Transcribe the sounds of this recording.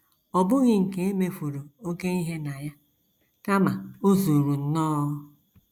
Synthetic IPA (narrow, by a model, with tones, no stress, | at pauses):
ɔ˨bʊ˦ɣɪ˦ŋ̩˨ke˨e˦me˨fu˨ɾo˨o˦ke˦i˦ɦe˦na˨ja˦ | ka˦ma˨o˦zu˨ɾu˨n̩˦nɔː˦